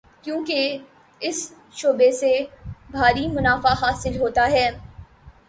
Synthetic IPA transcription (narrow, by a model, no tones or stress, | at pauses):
kjõːke | ɪs | ʃoːbesebʱaːɾimʊnaːfaɦaːsɪlɦoːt̪aɦɛː